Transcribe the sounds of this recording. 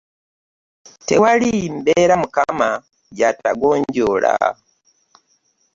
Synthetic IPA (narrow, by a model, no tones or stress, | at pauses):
te̞walimbeːɾamukama | ɟata̰ɡoːɲɟola̰